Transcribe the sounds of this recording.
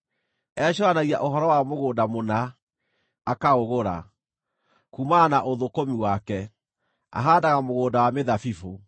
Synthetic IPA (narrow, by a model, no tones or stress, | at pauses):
ɛɕɔanaɣia̰ʔoɦɔɾɔwamoɣoːdamonaː | kaoɣoɾa̰ | kumanaʔoðokomiwakɛ | a̰ɦaːdaɣamoɣoːndawameðafifo